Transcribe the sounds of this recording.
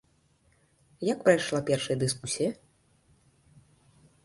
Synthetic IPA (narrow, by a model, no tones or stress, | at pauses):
jakpɾajʂlˠapʲɛrʂɐjɐd̪ɨskusʲijɐ